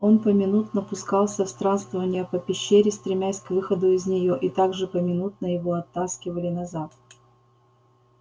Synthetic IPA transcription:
o̞npəmʲɪnut̪nəpʊskɑlˠsʲəfst̪ɾanst̪vəvənʲɪjəpəpʲɪɕːeɾʲɪst̪ɾʲɪmʲæsʲkvɨxəd̪ʊɪzʲnʲɪjo̞ʔit̪aɡʐɨpəmʲɪnut̪̚nəjɪvo̞ɐt̪ːaskʲɪvəlʲɪnɐzat̪

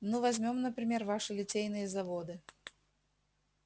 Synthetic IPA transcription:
nɨvɐzʲmʲomnəpɾʲɪmʲe̞rvaʂɨlʲɪtʲejnɨjəzɐvod̪ɨ

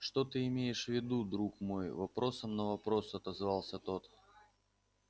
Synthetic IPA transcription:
ʂt̪ot̪ɨɪmʲejɪʂvʲɪd̪ud̪ɾukmo̞jvɐpɾo̞səmnəvɐpɾo̞sɐt̪ɐzvɑlˠsʲət̪o̞t̪

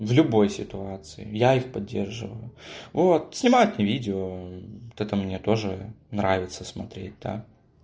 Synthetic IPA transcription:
vlʲʊbo̞jsʲɪt̪ʊat̪sɨɪ̰jaixpɐdʲːe̞rʐɨ̰vəjʊvot̪̚sʲnʲɪmajʊt̪nʲɪvʲidʲɪot̪ɛt̪əmnʲet̪o̞ʐɨ̰nɾavʲɪt̪səsmɐt̪ɾʲet̚ʲd̪a̰

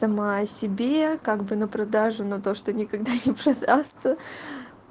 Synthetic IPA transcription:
sɐmaɐsʲɪbʲekaɡbɨnəpɾɐd̪aʐʊnɐt̪o̞ʂt̪onʲɪkɐɡd̪anʲɪpɾɐd̪ast̪sə

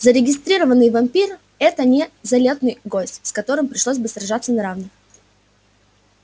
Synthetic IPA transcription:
zəɾʲɪɡʲɪst̪ɾʲiɾəvənːɨjvɐmʲpʲir | ɛt̪ənʲɪzɐlʲe̞t̪nɨjɡosʲtʲskɐt̪o̞ɾɨmpɾʲɪʂlˠosʲbɨsrɐʐat̪sənɐɾavnɨx

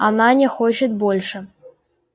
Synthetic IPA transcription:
ɑnɑnʲexot͡ɕɪt̪̚bolʲʂə̆

